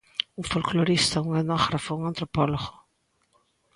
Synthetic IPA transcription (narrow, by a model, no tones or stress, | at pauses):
uŋfolkloɾist̪auŋanɔɣɾafouŋãnt̪ɾopɔloɣo